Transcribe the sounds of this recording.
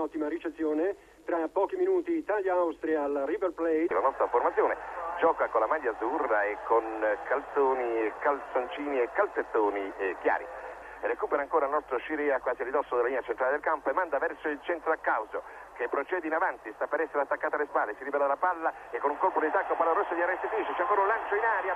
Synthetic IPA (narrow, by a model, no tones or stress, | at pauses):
ɔt̪ːimaɾit͡ʃet̪sːjoːne | t̪ɾapːɔːkiminuːt̪iːt̪aːljaawst̪ɾialaribelplɛjlanɔst̪ɾaformat̪sjoːned͡ʒɔːkakonlamadjad̪zurːaekʰːonkalt̪soːnikalt̪sont͡ʃiːniekːalset̪ːoːnikja̰ːɾi | rekuːpeɾaːŋkoːɾailnɔst̪ɾoʃiɾɛːakːwaːziarid̪ɔsːod̪elːalinːat͡ʃent̪ɾaːled̪elkampoemːand̪avɛrsoilt͡ʃɛnt̪ɾoakːawzo | kepːɾot͡ʃɛːd̪inavant̪ist̪apːeɾɛsːeɾat̪ːakːat̪ealespalːesiɾibɛːlad̪alːapalːaekːonuŋkolpod̪it̪akːoapalːaɾosːod̪iarːɛst̪efiɾiːt͡ʃit͡ʃɛaŋkoːɾaunlant͡ʃoinaːɾja